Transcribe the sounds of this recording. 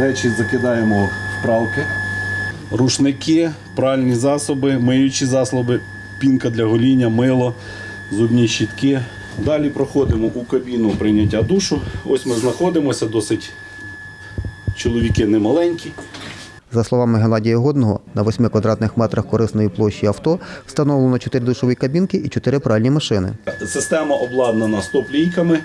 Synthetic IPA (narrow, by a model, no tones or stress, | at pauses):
ɾɛt͡ʃizɐkɪd̪ɑjemɔspɾɑwkɪ | ɾuʃnɪkɪ | pɾɑʋɪlʲnʲizɑsɔbɪmɪjʊt͡ʃʲizɑslˠɔbɪ | pʲinkɐd̪lʲɐɦɔlʲinʲːɐmɪlˠɔ | zubnʲiʃit̪kɪ | d̪ɑlʲipɾɔxɔd̪ɪmɔʔukɐbʲinʊpɾɪnʲɐt̬ʲːad̪uʃʊɔ̰sʲmɪznɐxɔd̪ɪmɔsʲɐd̪ɔsɪtʲ | t͡ʃɔlˠɔʋʲikɪnɛmɐlˠɛnʲkʲi | zɐslˠɔʋɑmɪɦenˠɑdʲijɐɦɔd̪̚nɔɦɔ̰nɐʋɔsʲmɪkʋɐd̪ɾɑt̪nɪxmɛt̪ɾɐxkɔɾɪsnɔjiplˠɔʃːiɐwt̪ɔst̪ɐnɔwlˠenɔt͡ʃɔt̪ɪɾɪd̪uʃɔʋikɐbʲinkɪit͡ʃɔt̪ɪɾɪpɾɑʋʲilʲnʲimɐʃɪnɪ̰sɪst̪ɛmɐʔɔblˠɑd̪nenɐst̪ɔplʲijkɐmɪ